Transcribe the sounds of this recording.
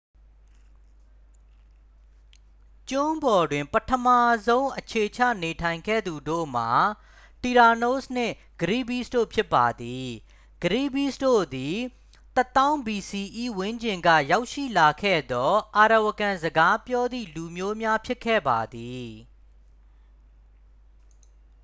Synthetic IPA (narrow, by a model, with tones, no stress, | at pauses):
t͡ɕʊ̃˦mbɔ˨dwɪ̃˨mpətʰəma˦˨zõ˦ʊ̃ʔət͡ɕʰe˨t͡ɕʰä̰˦˨ne˨tʰã˨ɪ̃ŋɡɛ̰˦˨d̪u˨do̰˦˨m̥a˨ | ti˨ɾa˨no˦sn̥ɪ̰̃˦˨ | ɡ̥əɾḭ˦˨bi˦˨sto̰˦˨pʰjɪ˦pːa˨d̪i˨ | ɡ̥əɾḭ˦˨bi˦sdo̰˦˨d̪i˨ | t̪ə˦t̪ã˦ʊ̃mbi˨si˨ʔi˦˨wɪ̃˦ɲd͡ʑɪ̃˨ŋɡä̰˦˨ja˦ʊʔʃḭ˦˨la˨kʰɛ̰˦˨d̪ɔ˦ʔa˨ɾa˨wəkã˨zəɡa˦pjɔ˦d̪ḭ˦˨lu˨mjo˦mja˦pʰjɪ˦kʰːɛ̰˦˨ba˨d̪i˨